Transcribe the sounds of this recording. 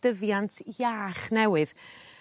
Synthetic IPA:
d̥əvjantʰjaːχnɛwɨð̥

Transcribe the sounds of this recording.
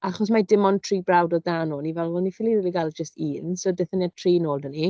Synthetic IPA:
aχɔs̬madɪmɔntʰriːbrawdɔdanɔnivɛlˠvɔnifɪlˠiriːliɡalˠd͡ʒəstiːnsodɪθəniatʰriːnoːlˠdəni

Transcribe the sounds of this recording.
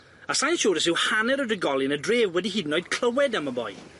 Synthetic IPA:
asajnʃɔːɾəsɪwhanɛɾədəɡɔlˠɪnədreːvwɛdiɦiːdnoɨd̚kʰl̥ˠəwɛdaməbɔ̰j

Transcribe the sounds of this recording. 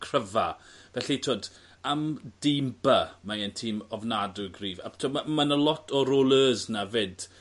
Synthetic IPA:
kʰr̥əvavɛɬitʰoːd | amd̥ɪmbamaɛntʰiːmɔvnadʊɡriːva̰tʰoːamanəlˠɔtʰɔɾoːlˠəːznaved̥

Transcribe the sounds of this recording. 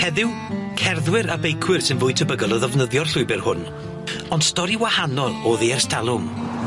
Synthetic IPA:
hɛðɪw | kʰɛrðwɪɾabejkʰwɪrsɪnvʊːɨtʰəbəɡəlˠəðɛvnəðjɔrɬʊɨbɪrhʊn | ɔnd̥stɔɾiwahanɔlˠɔðiɛrstʰalˠʊm

